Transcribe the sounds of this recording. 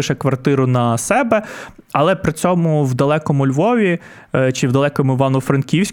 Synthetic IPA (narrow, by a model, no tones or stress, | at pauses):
ɪʃɛkʋɐrt̪ɪɾʊnɐsɛbɛ | ɐlˠɛpɾɪt͡sʲɔmʊwd̪ɐlˠɛkɔmʊlʲʋɔʋʲi | t͡ʃɪwd̪ɐlˠɛkɔmʊɪʋɑnʊfɾɐnkʲiwsʲ